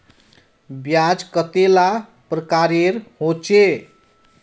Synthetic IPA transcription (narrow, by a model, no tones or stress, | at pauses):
bjad͡ʒkət̪ela | pɾəkaɾeɾhot͡ʃe